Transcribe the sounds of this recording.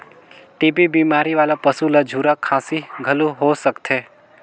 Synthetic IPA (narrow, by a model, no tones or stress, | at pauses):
ʈibibimaɾiʋalapəsulad͡ʒʱuɾakʰãsiɡʱəlũɦosəkt̪ʰe